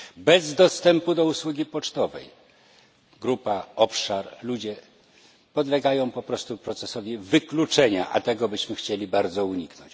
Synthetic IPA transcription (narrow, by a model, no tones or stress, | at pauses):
bɛzd̪ɔst̪ɛmpud̪ɔuswuɡʲipɔt͡ʂt̪ɔvɛ̰j | ɡɾupaɔpʂaɾlud͡ʑɛ | pɔd̪lɛɡajɔ̃w̃pɔpɾɔst̪upɾɔt̪sɛsɔvʲivɘklut͡ʂɛɲaʔa̰t̪ɛɡɔbɘɕmɘxt͡ɕelʲibaɾd̪zɔuɲiknɔɲt͡ɕ